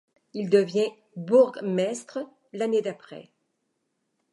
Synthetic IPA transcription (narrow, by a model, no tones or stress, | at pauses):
ild̪əvjɛ̃ | buʁɡmɛst̪χə | laned̪apχɛ̰